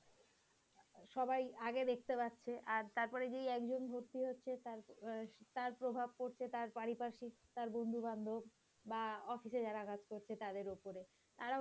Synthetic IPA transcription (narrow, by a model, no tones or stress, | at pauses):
ʃɔbajaɡed̪ek̚ʰt̪epatːɕʰeʔaɾt̪aɾpɔɾed͡ʑejɛkd͡ʑonbʱoɾt̪iɦotːɕʰet̪aɾt̪aɾpɾobʱab̚koɾt͡ɕʰet̪aɾpaɽipaʃit̪aɾbond̪ʱuband̪ʱob | baɔfiʃed͡ʑaɾakad͡ʑkoɾt͡ɕʰet̪ad̪eɾopoɾe | t̪aɾa